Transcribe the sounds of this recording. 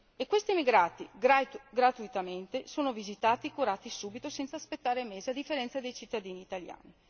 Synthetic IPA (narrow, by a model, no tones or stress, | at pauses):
ekːwest̪iemiɡɾaːt̪iɡɾaɡɾat̪uit̪ament̪esoːnovizit̪aːt̪ikuɾaːt̪isuːbit̪osɛnt̪saːspet̪ːaːɾemeːzead̪ifːeɾɛnsad̪ejt͡ʃit̪ːad̪iːniːt̪alja̰ːni